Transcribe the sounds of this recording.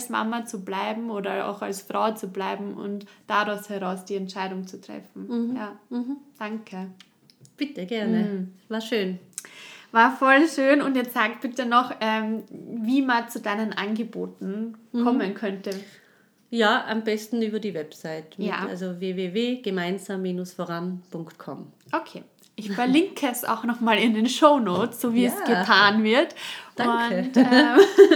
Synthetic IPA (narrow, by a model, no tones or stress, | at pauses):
lsma̰mɐt͡sublaɪbm̩oːdɐa̰ʊxa̰lsfʁ̥aʊt͡sublaɪbm̩ʔʊ̰ntd̥aʁaʊshɛʁaʊsd̥iːɛntʃaɪɾʊŋt͡sutʁ̥ɛ̰fn̩jaːd̥aŋkʰə | b̥ɪtəɡ̥ɛɐnəvaːɐʃøːn | vaːɐfɔlʃøːnʊntjɛt͡ssaːkb̥ɪtənɔχʔɛːmviːmant͡sudaɪnənʔa̰nɡəboːtn̩kʰɔmənkʰœntə | jaːʔa̰mbɛstn̩yːbɐdiːvɛpsaɪtmja̰ːa̰lzoveːveːveːɡ̥əmaɪnzaːmːiːnʊsfoːʁanpʊŋktkʰɔ̰mʔokʰeː | ʔɪçfɐɐlɪŋkʰəɛsa̰ʊxnɔχmaːlɪndeːnʃoʊnoːt͡sz̥oːviːɛsɡ̥ətʰaːnvɪɐtʔdaʊ